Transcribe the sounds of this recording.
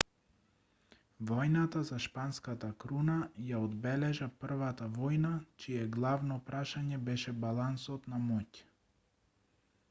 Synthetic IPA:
vɔjnat̪azaʃpanskat̪akɾunajaɔd̪bɛlɛʒapr̩vat̪avɔjnat͡ʃijɛɡlˠavnɔpɾʔaʃaɲɛbɛʃɛbalˠansɔt̪namɔc

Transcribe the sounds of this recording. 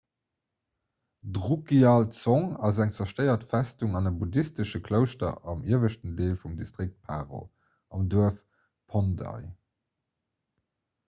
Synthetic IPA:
dʁukiaːlt͡sɔŋɑzæŋt͡sɐʃtəɪɐtfæstuŋɑnəbudistəʃəkʰləʊʃtɐ̰ʔɑmiəvəʃtəndeːlfumdistʁik̚t̚pʰaːʁo̰ | ɑmduɐəf | pʰondɑ̰ɪ

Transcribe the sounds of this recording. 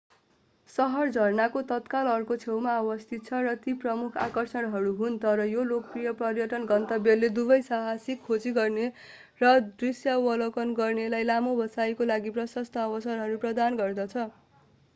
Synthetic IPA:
sʌɦʌrd͡zʱʌrnakot̪ʌt̪kalʌrkot͡sʰewmaʌbʌst̪ʰit̪̚t͡sʰʌrʌt̪iprʌmukʰa̰kʌrsʌnɦʌɾuɦunt̪ʌɾʌjolok̚prijʌprʌrjʌʈʌnɡʌnt̪ʌbjʌlːed̪ubʌjsaɦasikʰːod͡ziɡʌrne | rʌd̪risjawʌlokʌnɡʌrnelajlamobʱʌsajkolaɡiprʌsʌst̪ʰʌːwʌsʌɾɦʌɾuprʌd̪anɡʌrd̪ʌt͡sʰʌ

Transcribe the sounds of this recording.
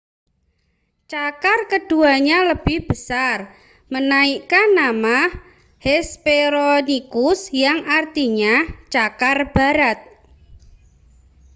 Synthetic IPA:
t͡ʃakarkəd̥uaɲaləb̥ɪhb̥əsar | mənaikanːama | hɛspeɾonikʊsjaŋart̪iɲat͡ʃakarb̥a̤ɾat̪̚

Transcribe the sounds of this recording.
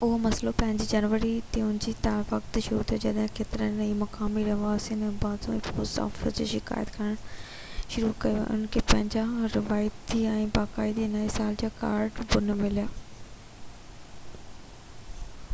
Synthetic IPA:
ʊɦomɐslopɐ̃ɦɪ̃ɲd͡ʑid͡ʑɐnʋəɾit̪iʊ̃nd͡ʑiːt̪aːɾʋɐkt̪ʃʊɾut̪ʰijad͡ʑɐɗɦɪ̃keːt̪ɪɾənnɐimɐkaːmiɾɐɦaːsinɛ̃ːbaːzũɪ̃foːsa̰ːfəsd͡ʑḛʃɪka̰ːjət̪kʰɐɪɽ̃ | ʃʊɾukɐiʋ̰ʊ̰nkʰepɐ̃ɦɪ̃ɲd͡ʑaɾɪʋaːjət̪iɛ̃ːbaːkaːid̪inɐisaːld͡ʑaːka̰ːɾɖbʊnmɪlijaː

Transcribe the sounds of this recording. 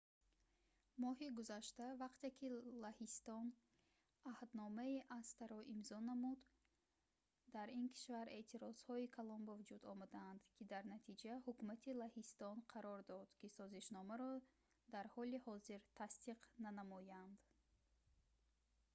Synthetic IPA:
mɔɦiɡuzaʃt̪avaqt̪ekʲʰilahist̪ɔn | ahd̪nɔmaiʔast̪aɾɔʔimzɔnamud̪ | d̪aɾinkʰi̥ʃvaɾʔe̞ʔt̪ʰiɾɔz̥hɔikʰalɔmbavud͡ʒud̪ɔmad̪aːnd̪kʰid̪aɾnat̪ʰid͡ʒahukumat̪ʰilahist̪ɔnqʰaɾɔɾd̪ɔd̪̥kisɔziʃnɔmaɾɔ | d̪aɾhɔlihɔziɾt̪ʰast̪iqnanamɔjand̪

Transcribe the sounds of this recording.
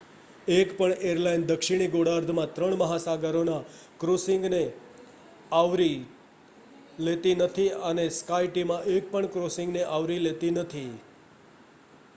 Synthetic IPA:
ekpəɳeɾlaind̪əkʃiɽ̃iɡoɽaɾd̪ʱmãt̪ɾəɳməɦasaɡəɾona | kɾosɪ̃ŋɡne | aʋɾi | let̪inət̪ʰiəneskaiʈimãʔek̚pəɳkɾosɪ̃ŋɡneʔaʋɾilet̪inət̪ʰi

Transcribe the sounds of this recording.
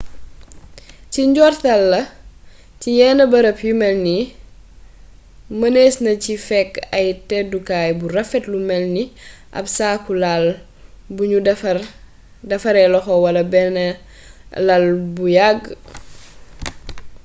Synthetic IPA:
ciɲɟɔːrtɐlːɐ | cijɛːnɐbɐɾɐpjumɛlni | mɐnesnɐcifɛkːɐjtɛdukaːjburɐfɛtlumɛlni | ʔɐ̰psaːkulal | buɲu | dɐfɐɾɛlɔxɔwɐlɐbɛn | lɐlbujaɡː

